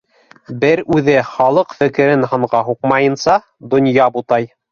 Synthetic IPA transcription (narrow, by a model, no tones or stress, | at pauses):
bɘɾʉðɘχɑlˠɤqfɘ̆kɘ̆ɾɘnɦɤ̆ɴʁɑɦuqmɑjɤ̆nsɑ | d̪ŏnjɑbut̪ɑj